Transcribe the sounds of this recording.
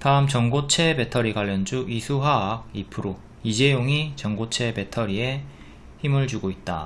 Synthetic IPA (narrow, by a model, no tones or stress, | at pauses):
taɯmt͡ɕʌŋɡot͡ɕʰe̞be̞tʰʌɾiɡaʎːʌnd͡ʑuʔisʰuɦaːɡ̚ipʰɯɾo | id͡ʑe̞joŋit͡ɕʌŋɡot͡ɕʰe̞be̞tʰʌɾie̞ | çimɯɭd͡ʑuɡoit̚t͈a̰